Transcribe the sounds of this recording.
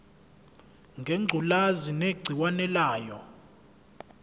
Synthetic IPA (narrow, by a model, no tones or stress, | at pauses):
ŋɡʱeŋ͡ǀʱulazineɡ͡ǀʱiwanɛlaːjɔ